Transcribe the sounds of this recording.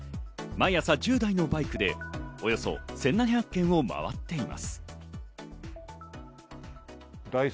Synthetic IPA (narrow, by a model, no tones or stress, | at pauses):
maɰ̃jasad͡ʑɨːd̪aino̞baikɯ̟d̪e̞o̞jo̞so̞̰sẽ̞nːãçakːẽ̞ɰ̃o̞ma̰βa̰t̪ːe̞ima̰sɨ̥ | d̪ai